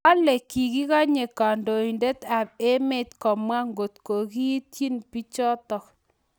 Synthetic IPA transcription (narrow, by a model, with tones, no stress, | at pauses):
a˦le˨ki˨ki˦ka˦ɲe˨ka˨ndo˨i˨nde˦t̪a˨e˦me˦t̪kɔ˨mwa˦ŋɡo˨tko˨ki˦tji˦npi˦t͡ʃɔ˦t̪ɔ˨k